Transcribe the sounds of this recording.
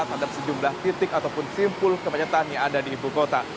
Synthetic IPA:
at̪̚hadap̚səd͡ʒumlaht̪it̪ɪkat̪awpʊnsimpʊlkəmaɲat̪anjaŋadadiːbukot̪a

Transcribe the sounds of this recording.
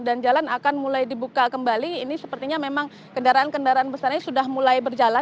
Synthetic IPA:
dand͡ʒalanakanmulajdibukakəmbaliːnisəpərt̪iɲamemaŋ | kəndaɾaankəndaɾaanbəsarɲsudahmulajbərd͡ʒala

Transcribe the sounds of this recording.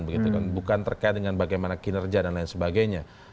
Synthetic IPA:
nbəɡit̪ukanbukant̪ərkajɪt̪̚dəŋanbaɡajmanakinərd͡ʒiadanlajɪnsəbaɡajɲa

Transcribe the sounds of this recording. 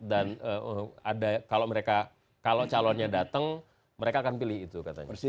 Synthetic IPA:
danəəadakaloməɾeka | kalot͡ʃalanɲadat̪əŋ | məɾekaːkanpilɪɦit̪ukat̪a̰ɲ̰a

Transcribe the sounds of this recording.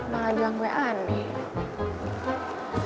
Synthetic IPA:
maɗwaŋɡwɛʔanɛ

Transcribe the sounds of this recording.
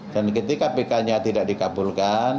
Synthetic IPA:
dankət̪ikapekaɲat̪idaʔ̚dikabulkan

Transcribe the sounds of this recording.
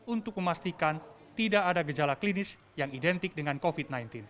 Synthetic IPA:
unt̪ʊk̚məmast̪ikan | t̪idaʔːdaɡəd͡ʒalaklinɪs | jaŋidɛnt̪ɪk̚dəŋankofit̪̚najnt̪ɪn

